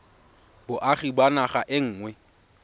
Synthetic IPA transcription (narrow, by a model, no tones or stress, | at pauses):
bʊʔaχibanaχaʔɪŋ̩ːŋwɛ